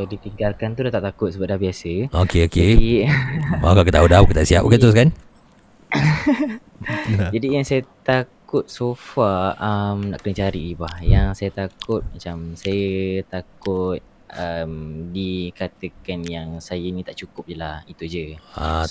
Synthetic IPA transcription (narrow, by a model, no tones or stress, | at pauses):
sadit̪iŋɡalkant̪udat̪aʔt̪akʊt̪səbadahbiasəokeokeai | makakət̪audahbukət̪aʔsiapoket̪ɾus̬kan | d͡ʒadijaŋsajət̪akʊt̪̚sofaəmna̰ʔkənət͡ʃaɾibahjaŋsajət̪akʊt̪̚mat͡ʃamsajət̪akʊt̪̚ | əmdikat̪əkanjaŋsajənĩt̪aʔt͡ʃukʊp̚d͡ʒəlahit̪ud͡ʒəa̰